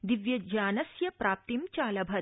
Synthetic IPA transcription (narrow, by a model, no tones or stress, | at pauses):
d̪iʋjɐd͡ʒaːnɐssjɐpɾaːp̚t̪imt͡ʃaːlɐbʱɐ